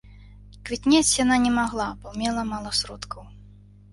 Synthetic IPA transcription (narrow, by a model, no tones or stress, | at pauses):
kvʲit̪ʲnʲat͡sʲjananʲɛmaɣlˠabɔmʲɛlˠɐmalˠɐsɾɔt̪kʰɐw